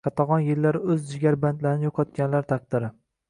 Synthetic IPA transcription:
kʰɑt̪ʰɑʁɒnjɪlːaɾɪɵzd͡ʒɪɡʲaɾband̪laɾɪnɪjoqʰɒt̪̚kʲanlaɾt̪ʰɑq̚d̪̥ɪɾɪ

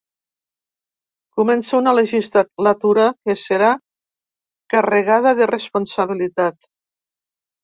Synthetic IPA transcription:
kumɛnsaunaleʒist̪alat̪uɾakeseɾa | kareɣaðaðerespunsaβ̞ilit̪at̪

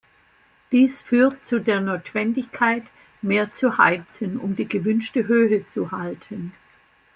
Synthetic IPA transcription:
d̥iːsfyːɐtt͡sudeːɐnoːtv̥ɛndɪçkʰaɪt | meːɐt͡suha̰ɪt͡sənʊ̰mdiːɡəvʏnʃtəɦøːɦət͡suhaltʰən

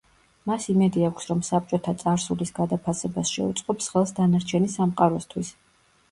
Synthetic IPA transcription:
masimɛd̪iakʷʰsɾɔmsap̚t͡ʃʼɔt̪ʰat̪sʼaɾsulisɡad̪apʰasɛbasʃɛ̰ut̪sʼqʼɔpsχɛlˠsd̪anaɾt͡ʃʰɛnisamqʼaɾɔst̪ʰwis

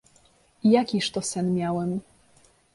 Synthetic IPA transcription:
ijakʲiʂt̪ɔsɛnmʲjawɛm

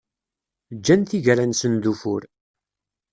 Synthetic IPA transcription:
d͡ʒːænθiʝɾænsənd̪ufʊ̰ɾ

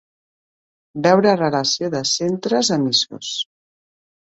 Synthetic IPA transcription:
bɛwɾərələsioðəsent̪ɾəzəmiso̰s

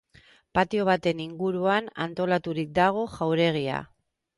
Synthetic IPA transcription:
pat̪io̞β̞at̪e̞niŋɡuɾuana̰nt̪o̞lat̪uɾik̚d̪aɣ̞o̞ʝawɾe̞ɣ̞ia̰

